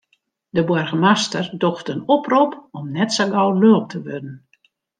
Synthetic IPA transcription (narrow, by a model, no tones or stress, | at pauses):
dəbwɔrɣəmastərdoxtənɔpropɔmnɛtsaɡɔwløːp̚tʰəʋødn̩